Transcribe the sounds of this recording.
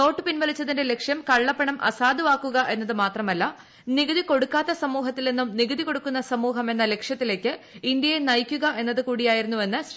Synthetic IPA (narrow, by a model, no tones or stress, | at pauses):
no̞ːʈːɨpinʋɐlit͡ɕːɐðinde̞le̞kʂjɐmkɐɭːɐpːɐɳɐmʔɐ̰saːd̪uʋaːkːuɣɐʔe̞nːɐðɨmaːt̪rɐmɐlːɐ | niɡɐðiko̞ɽukːaːt̪ːɐsɐmuːɦɐt̪ːilnenːumniɣɐðiko̞ɽukːunːɐsɐmuːɦɐme̞nːɐle̞kʂjɐt̪ːile̞ːkːɨ | ind̪jɐjenɐjkʲːuɣɐʔe̞nːɐðɨkuːɽijaːjiɾunːue̞nːɨɕ